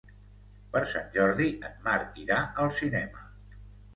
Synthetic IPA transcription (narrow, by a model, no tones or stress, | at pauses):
pəɾsa̰nʲʒɔɾðiʔətmaɾkiɾaəlˠsinɛmə